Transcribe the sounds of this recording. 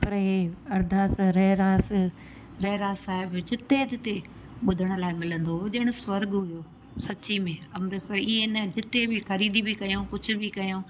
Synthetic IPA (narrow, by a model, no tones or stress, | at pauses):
pɐɾɦeːɐɾd̪ʱaːsɾɛːɾaːs | ɾɛːɾaːsaːɪbd͡ʑɪt̪ed̪ɪt̪e | ɓʊd̪ʱəɽ̃ʊ̆laːɪmɪlə̃nd̪oɦʄɐːɪ̃ɽ̃ʊsʋɐɾɡɦʊjoː | sɐt͡ɕimẽɐmɾesɐiẽnəd͡ʑɪt̪ebʱɪxɐɾiːd̪ibʱɪkɐjõkʊd͡ʑʱʊ̆bʱɪkɐjõː